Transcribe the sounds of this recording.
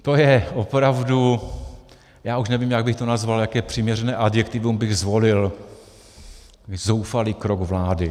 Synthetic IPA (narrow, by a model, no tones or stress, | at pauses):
t̪ojɛʔopɾavdu | jaːuʃnɛviːmjaɡ̚bɪxt̪onazvaljakɛːpr̥ɪmɲɛrɛnɛːʔadjɛkt̪ɪvumbɪɣzvo̞lɪl | zowfaliːkɾoɡvlaːdɪ